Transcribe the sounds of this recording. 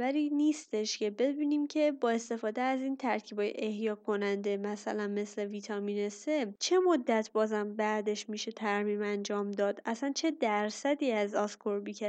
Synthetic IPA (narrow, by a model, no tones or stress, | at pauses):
væɾiːniːst̪e̞ʃce̞be̞biːniːmcʰe̞bɒːe̞st̪e̞fɒːd̪eæziːnt̪ʰæɾcʰiːbɒːjḛʔehjɒːkʰo̞nænd̪e̞mæsælænme̞sle̞vit̪ʰɒminese̞t͡ʃʰe̞mod̪ːæt̪ʰbɒːzæmbæd̪e̞ʃmiːʃe̞t̪ʰæɾmiːmænd͡ʒɒːmd̪ɒːd̪æsænt͡ʃʰe̞d̪æɾsæd̪iːæzɒskʰoɾbiːcʰe